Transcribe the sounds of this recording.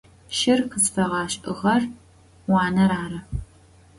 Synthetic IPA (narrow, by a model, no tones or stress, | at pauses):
ʃɪrqəsfɐʁɑːɕʼɨʁɐr | wɑːnɐɾaːɾɐ